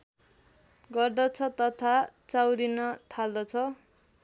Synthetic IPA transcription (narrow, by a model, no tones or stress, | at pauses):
ɡʌrd̪ʌt͡sʰʌt̪ʌt̪ʰat͡sawɾinʌt̪ʰald̪ʌt͡sʰʌ